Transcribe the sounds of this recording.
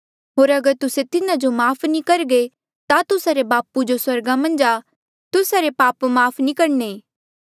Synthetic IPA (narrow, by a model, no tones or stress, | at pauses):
ɦoːɾɐɡəɾt̪ʊset̪ɪnad͡ʒomaːpʰnikɐɾɡe | t̪at̪ʊsaɾebaːpud͡ʒoswɐɾɡamɐ̃nd͡ʒaː | t̪ʊsaɾepaːpmaːpʰnikɐɾne